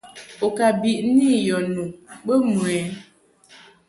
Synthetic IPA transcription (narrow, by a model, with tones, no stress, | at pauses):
o˨ka˨bi˨ʔni˦jɔ˨nũ˨ɓə˦mu˨ɛ˨˦